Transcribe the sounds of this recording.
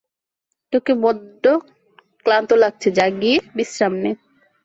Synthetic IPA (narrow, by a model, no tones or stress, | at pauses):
ʈokebɔd̪ːo | klant̪olaɡ̚t͡ɕʰed͡ʑaɡiebisɾamne